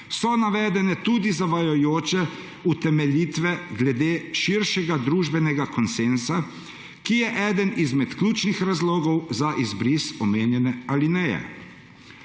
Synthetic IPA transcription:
sɔnaʋɛːd̪ɛnɛt̪ud̪izaʋajɔjoːt͡ʃɛ | ut̪ɛmɛliːt̪ʋɛɡlɛd̪eːʃiɾʃɛɡad̪ɾuːʒbɛnɛɡakɔnsensa | kijɛʔɛd̪ənizmɛt̪klʲuːt͡ʃnixɾazloːɡɔwzaʔizbɾisɔmeːnjɛnɛalinɛjɛ̰

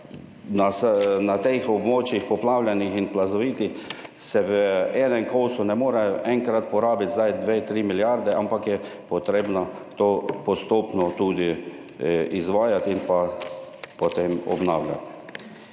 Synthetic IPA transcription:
nasnat̪exɔbmoːt͡ʃjixpɔplawlʲjanixinplazɔʋiːt̪ixsɛʋəɛːnɛŋkoːsʊnɛmoːɾɛʔɛŋkɾat̪̚pɔɾaːbit̪zajd̪ʋeːt̪ɾiːmiljaɾd̪ɛʔampakjɛpɔt̪ɾeːbna | t̪oːpɔst̪oːpnɔt̪uːd̪i | izʋaːjat̪inpa | pɔt̪emɔ̰bnaːwlʲja̰t̪

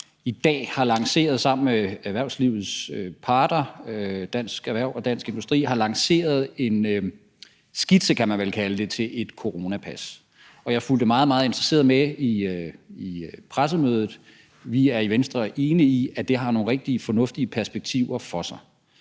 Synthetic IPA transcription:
id̥ɛ̰ːhɑ̈lɑ̈ŋse̝̰ːɐð̞̩ˠsɑ̈m̰n̩meæɐʋæɐʊ̰sliʊð̩ˠsøpʰɑ̈ːd̥ɐd̥æn̰sɡ̥æʋæɐʊ̰ɒ̽d̥æn̰sɡ̥e̝nd̥usd̥ʁḭːɦɑ̈lɑ̈ŋse̝̰ːɐð̞̩ˠe̝n | sɡ̥id̥səkʰæmænʋelkʰæləd̥e̝t͡sʰe̝lʔe̝d̥kʰo̝ʁo̝ːnæpʰæs | ɒ̽jɑ̈ɪful̰d̥əmɑ̈ːð̩ˠmɑ̈ːð̞̩ˠe̝nd̥ʁɐse̝̰ɐðˠmeiipʰʁas̬əmøːð̞ˠð̩ˠ | ʋiæɐiʋensd̥ʁɐʔe̝ːniiæd̥e̝ɦɑ̈no̝ːŋn̩ʁeɡ̥̚d̥iəfɒ̽nɔ̽fd̥iəpʰæɐsb̥eɡ̥̚t͡sʰiʊ̰ɐfɒ̽sɑ̈ɪ

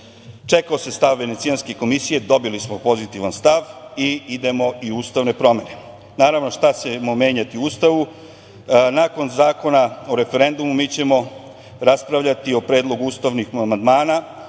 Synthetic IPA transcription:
t͡ʃe̞kaose̞st̪aʋʋe̞ne̞t̪sijanske̞ko̞misije̞d̪o̞bilismopo̞zit̪iʋanst̪aʋiid̪e̞mo̞iuːst̪aʋne̞pɾo̞me̞ne̞ | naːɾaʋno̞ʃt̪at͡ɕemo̞me̞ːɲat̪iuuːst̪aʋu | naːko̞nzaːko̞nao̞ɾe̞fe̞ɾe̞nd̪umumiːt͡ɕe̞mo̞ | ɾaspɾaʋʎat̪io̞pɾeːd̪lˠo̞ɡuuːst̪aʋnixmand̪maːna

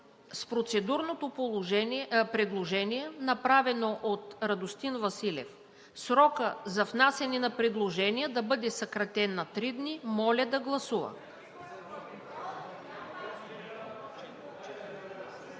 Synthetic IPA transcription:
spɾot̪sɛd̪uɾnot̪opolˠ | pɾɛd̪lˠoʒɛniɛnɐpɾavɛnoʔot̪ɾɐd̪ost̪invɐsilʲɛ̰f | sɾɔkəzɐfnasɛninɐpɾɛd̪lˠoʒɛnijəd̪ɐbɤd̪ɛsɐkɾɐt̪ɛnːɐt̪ɾid̪nimɔlʲəd̪ɐɡlˠɐsuvə̰

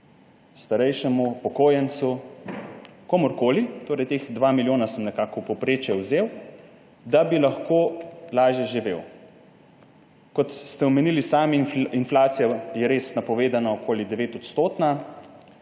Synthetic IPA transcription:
st̪aɾɛjʃɛmupɔkoːjɛnsu | komoɾkoːlit̪oːɾɛjt̪exd̪ʋaːmiljoːnasəmnɛkaːkɔpɔpɾeːt͡ʃjɛwzew | d̪abilaxkoːlaːʒjɛʒiʋḛːw | kɔt̪st̪ɛɔmɛnilisaːmɛinflaːt̪sijɔjɛɾesnapɔʋeːd̪anaokʰoːlid̪ɛʋeːt̪ɔt̪st̪oːt̪na

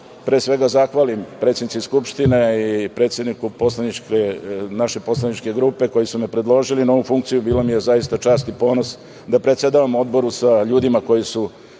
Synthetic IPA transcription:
pɾeːsʋe̞ɡazaxʋalimpɾet̪sʲenit̪iskupʂt̪ineipɾet̪sje̞d̪nikupo̞slanit͡ʃkenaʃe̞po̞slˠanit͡ʃke̞ɡɾuːpe̞ko̞jisumepɾe̞d̪lˠo̞ʒilinao̞ʋufuŋkt̪sijubiːlomijezajist̪at͡ʂaːst̪ipo̞ːnos | d̪apɾet̪sed̪aʋamo̞d̪bo̞ɾusaʎuːd̪imako̞jisu

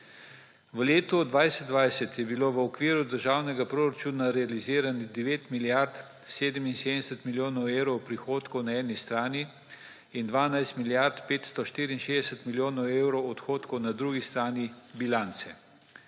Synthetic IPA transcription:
ʋəleːt̪ɔd̪ʋajsɛd̪d̪ʋajsɛt̪jɛbiloːʋəɔkʋiːɾud̪əɾʒaːwnɛɡapɾoːɾat͡ʃuːnaɾɛaliziːɾanid̪ɛʋeːt̪miljaɾt̪ | seːd̪əminseːd̪d̪ɛsət̪miljoːnɔweːwɾɔwpɾixoːt̪kɔwnaɛːnist̪ɾaːniː | nd̪ʋaːnajst̪miljaɾt̪peːt̪st̪ɔʃt̪iːɾiːnʃeːd̪ɛsət̪miljoːnɔweːwɾɔwɔt̪xoːt̪kɔwnad̪ɾuːɡist̪ɾaːnibilant̪sɛ

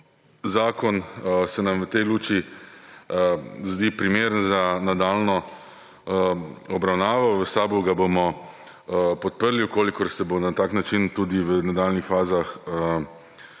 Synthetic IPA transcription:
zaːkɔnsɛnamʋət̪ɛjluːt͡ʃi | zd̪ipɾimeːɾənzanad̪aːlnɔ | ɔbɾawnaːʋaʋəsaːbuɡabomɔ | pɔt̪̚pəɾliukoːlikɔɾsɛbonat̪aːknat͡ʃint̪ud̪iʋənad̪aːlnixfaːzaxə

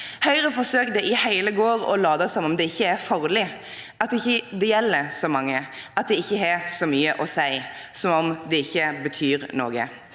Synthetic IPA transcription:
hœʏɾəfɔsøːk̚d̪ɛʔɪhæɪləɡoːɾɔ̰lɑːd̪ɑsɔmɔmd̪ɛɪçːəæɾfɑɾlɪ | ɑt̪ːɪçːəd̪ɛjɛlːəɾsɔmɑŋːəɑt̪̚d̪ɛɪçːəɦɛsɔmyːəʔɔsæɪ | sɔmɔmd̪ɛɪçːəbət̪ʰyːɾno̰ːɡə̰

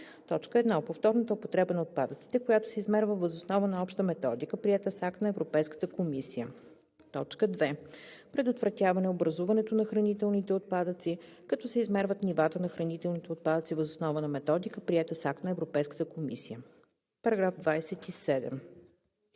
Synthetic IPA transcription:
t̪ɔt͡ʃkəɛd̪naopoft̪ɔɾnət̪əopot̪ɾɛbənɐot̪̚pad̪ət̪si̥t̪ɛkojat̪o̥sɛizmɛɾvəvəzosnɔvənɐɔpʃt̪əmɛt̪ɔd̪ikəpɾiɛt̪əsak̚t̪nɐɛvɾopɛjskə̥t̪əkomisijə | t̪ɔt͡ʃkəd̪vɛpɾɛd̪ot̪vɾɐt̪ʲjavɐnɛobɾɐzuvɐnɛt̪onɐxɾɐnit̪ɛlˠnit̪ɛot̪̚pad̪ət̪si | kɐt̪ɔsɛizmɛɾvət̪nivat̪ənɐxɾɐnit̪ɛlˠnit̪ɛot̪̚pad̪ət̪sivəzosnɔvənɐmɛt̪ɔd̪ikəpɾiɛt̪əsak̚t̪nɐɛvɾopɛjskə̥t̪əkomisijə | pɐɾɐɡɾafd̪vajsɛt̪isɛd̪ɛ̰m

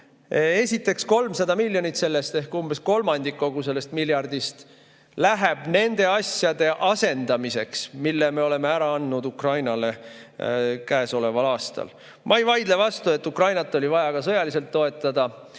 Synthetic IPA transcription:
e̞sʲit̪ːˑe̞ksko̞lmsɑd̪ɑmilʲːjo̞nit̪se̞lːest̪e̞hkumbe̞sko̞lmɑnd̪ikːo̞ɡ̥use̞lːe̞st̪miljɑrd̪ist̪ | læɦeb̥ne̞nd̪̥e̞ɑsjɑd̪e̞ʔɑse̞nd̪̥ɑmise̞ksmilːeme̞o̞le̞meæɾɑɑnːud̪ukrɑjnɑle̞ | kæːso̞le̞vɑlɑːst̪ɑ̰l | mʔɑejvɑjd̪̥levɑst̪ue̞t̪ːukrɑjnɑt̪ˑːo̞lʲivɑjɑɡ̥ɑsɤjɑlise̞lt̪ːo̞e̞t̪ːˑɑd̪ɑ

